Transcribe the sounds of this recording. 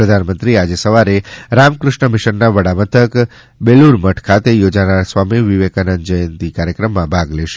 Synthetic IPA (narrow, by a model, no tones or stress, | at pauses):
pɾəd̪ʱanmənt̪ɾiad͡ʒesəʋaɾeɾamkɾʊʃɳəmɪʃəɾnaʋəɽamət̪ʰək | beluɾməʈʰkʰat̪ejod͡ʒanaɾsʋamiʋiʋekənənd͡ʒəjənt̪ikaɾjəkɾəmːãbʱaɡleʃe̥